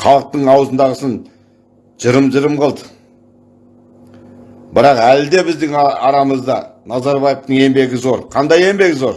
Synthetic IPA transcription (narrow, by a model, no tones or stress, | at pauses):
χʰɑlˠəq̚t̪əɴɑwzənd̪ɑʁəsən | ʒ̥əɾəmʒəɾəmqʰəlˠd̪ə | bɪɾɑqæld̪e̞bɪzd̪ɪŋɑɾɑməzd̪ɑ̰nɑzɑɾbɑjeft̪əɴe̞mbe̞ɡʲɪzo̞ɾqʰɑnd̪ɑje̞mbe̞ɡʲzo̞ɾ